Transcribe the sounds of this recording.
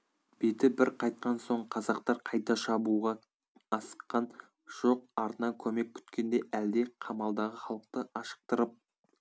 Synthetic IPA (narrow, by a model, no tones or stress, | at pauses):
b̥e̞t̪ɪbɪɾqʰɑjt̪̚qɑnso̞ɴqʰɑzɑqt̪ɑɾqʰɑjt̪ɑʃɑbuʁɑ | ɑsə̥qːɑn | ʒ̥o̞qɑɾt̪ənɑkʲʰɵme̞k̚pʰʲʏ̥t̪kʲe̞nd̪e̞ʔæld̪e̞qʰɑmɑlˠd̪ɑʁəχɑlˠəq̚t̪əʔɑʃə̥q̚t̪əɾəp̚